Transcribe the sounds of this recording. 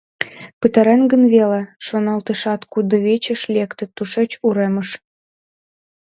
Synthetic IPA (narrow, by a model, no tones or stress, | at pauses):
pɨt̪ɑɾenɡə̆nβeleʃonɑlt̪əʃɑt̪kud̪ɤ̆βet͡ɕə̆ʃlʲekt̪ə̆t̪uʃet͡ɕuɾemə̆ʃ